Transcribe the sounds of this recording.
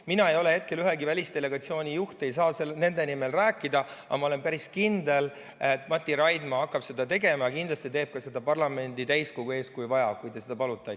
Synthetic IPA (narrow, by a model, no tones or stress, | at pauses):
minɑe̞jo̞le̞he̞t̪kelyɦeɡivælʲist̪e̞le̞ɡ̥ɑt̪sio̞ːnʲijuht̪e̞jsɑːselne̞nd̪e̞nime̞lræːkːˑid̪ɑɑ̰mɑo̞le̞npæɾiskind̪e̞l | et̪ːmɑt̪ʲːˑiɾɑjd̪mɑɑkːˑɑb̥se̞d̪̥ɑt̪e̞ɡe̞mɑkind̪lɑst̪it̪e̞ːb̥̚kɑse̞d̪ɑpɑrlɑme̞nʲd̪it̪æjsko̞ɡ̥ue̞ːskujvɑjɑkujt̪e̞sed̪̥ɑpɑlut̪ːˑɑj